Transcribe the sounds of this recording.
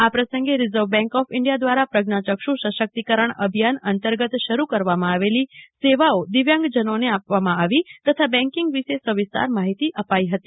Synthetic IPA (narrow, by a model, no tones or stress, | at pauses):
apɾəsə̃ŋɡeɾɪzəʋbɛ̃ŋkɔfɪɳɖijad̪ʋaɾapɾəɡnat͡ʃəkʃũʃəʃək̚t̪ikəɾəɳəbʱijanənt̪əɾɡət̪ʃəɾukəɾʋamãaʋeliseʋaod̪iʋjãŋɡd͡ʒənoneapʋamãaʋit̪ət̪ʰabɛ̃ŋkɪŋɡʋiʃesəʋɪst̪a̰ɾmaɦit̪iʔəpaiɦət̪i